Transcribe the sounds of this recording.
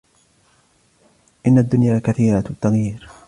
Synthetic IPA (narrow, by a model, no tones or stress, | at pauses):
ʔɪnːad̪ːʊnjaːkaθiːɾat̪ːaɣjiːɾ